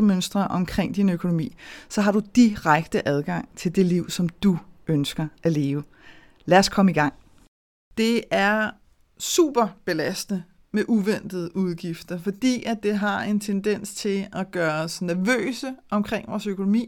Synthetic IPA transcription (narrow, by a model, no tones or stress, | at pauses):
əmønsd̥ʁɐʔɒ̽mkʰʁeŋ̰d̥inøkʰo̝no̝mḭːsɒ̽ɦɑ̈ɾ̥ud̥iʁaɡ̥d̥əʔæðˠɡ̥ɑ̈ŋ̰t͡sʰe̝ld̥e̝liʊ̰sɒ̽md̥uʔønsɡ̥ɐʔæle̝ːʊə | læɐskʰɒ̽məiɡ̥ɑ̈ŋ̰ | d̥e̝æɐ | sṵːb̥ɐb̥e̝læsd̥nə | meʔuʋen̰d̥ð̩ˠəʔuð̞ˠɡ̥ifd̥ɐfɒ̽d̥ḭːʔæd̥e̝ɦɑ̈e̝nt͡sʰend̥en̰st͡sʰe̝læɡ̥ɶːɐsnæɐʋø̰ːsəʔɒ̽mkʰʁeŋ̰ʋɒːsøkʰo̝no̝mḭː